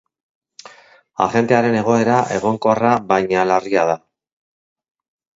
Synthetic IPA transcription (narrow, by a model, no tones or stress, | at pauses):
a̰χe̞nt̪e̞aɾe̞ne̞ɣ̞o̞e̞ɾaʔe̞ɣ̞o̞ŋko̞araβajɲalariað̞a